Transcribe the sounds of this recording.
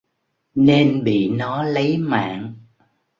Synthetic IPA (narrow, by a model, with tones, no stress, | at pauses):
ne˧nɓḭ˧˨nɔ˨˦lə˨˦jma̰ː˧˨ŋ